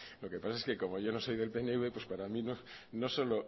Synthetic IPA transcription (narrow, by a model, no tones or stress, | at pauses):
lo̞ke̞pasae̞ske̞ko̞mo̞ʝo̞no̞so̞jðe̞lpe̞neuβe̞pwe̞spaɾamĩno̞no̞so̞lo̞